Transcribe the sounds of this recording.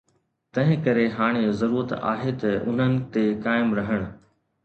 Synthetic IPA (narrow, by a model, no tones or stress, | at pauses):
t̪ɐ̃ɦɪ̃kɐɾeɦaːɽ̃ezɐɾuːɾət̪a̰ːɦet̪ɐʊn̤ənɪ̆t̪ekaːɪmɾɐɦəɽ̃ʊ̆